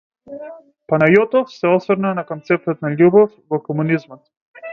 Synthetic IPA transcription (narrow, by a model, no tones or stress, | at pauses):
panajɔt̪ɔfsɛɔsvəɾnanakɔnt̪sɛp̚t̪ɔt̪naʎʲubɔfvɔkɔmunizmɔt̪